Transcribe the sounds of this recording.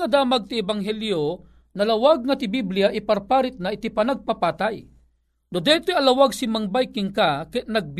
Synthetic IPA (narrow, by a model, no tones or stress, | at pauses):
ad̪aːmaɡ̚t̪iɛbaŋɦɛljo | nalawaɡ̚ŋat̪ɪbibliaʔiparpaːɾit̪̚naɪt̪ipanaɡ̚papat̪aj | nod̪ɛt̪ojɐlawaɡ̚simaŋbajkɪŋkakɛt̪̚naɡ̚b